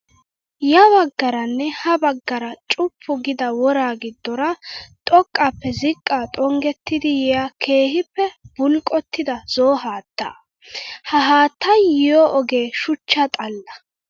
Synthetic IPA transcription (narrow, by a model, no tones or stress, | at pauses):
jɐbɐɡːɐɾɐnːɛhɐbɐɡːɐɾɐt͡ʃʼʊpʰːʊɡɪd̪ɐwɔɾaːɡɪd̪ːɔɾɐt̪ʼɔkʼːɐpːɛzɪkʼːaːt̪ʼɔŋɡɛt̪ːɪd̪ɪjɛjakʰe̞ːhɪpːɛbʊlkʼɔt̪ːɪd̪ɐz̥oːɦaːt̪ːa̰ː | hɐɦaːt̪ːɐjɪjɔʔɔɡe̞ːʃʊt͡ʃːɐt̪ʼɐlːɐ